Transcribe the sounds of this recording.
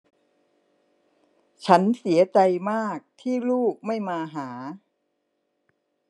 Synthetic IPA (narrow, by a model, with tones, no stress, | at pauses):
t͡ɕʰa˦˥nsi˩˦ɐt͡ɕa˧jmaː˥˩k̚t̪ʰiː˥˩luː˥˩k̚ma˥˩jmaː˧ɦaː˩˦